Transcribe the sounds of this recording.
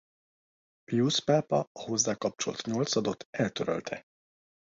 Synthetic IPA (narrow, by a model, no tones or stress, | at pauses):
juːspaːpɒɒho̞zːaːkɒp̚t͡ʃo̞lt̪ɲo̞lt̪sɒd̪o̞t̪ʰːɛlt̪øɾø̰lt̪ʰɛ